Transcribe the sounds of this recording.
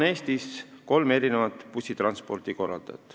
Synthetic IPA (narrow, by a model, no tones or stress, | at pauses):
ne̞ːst̪isko̞lme̞ɾine̞vɑt̪ːˑpusʲit̪ɾɑnspo̞rt̪iko̞rːɑ̰ld̪̥ɑ̰t̪ːˑ